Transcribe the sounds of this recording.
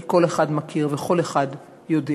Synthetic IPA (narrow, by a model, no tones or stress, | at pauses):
ko̞leχadmakʰiʁveχo̞leχad | jode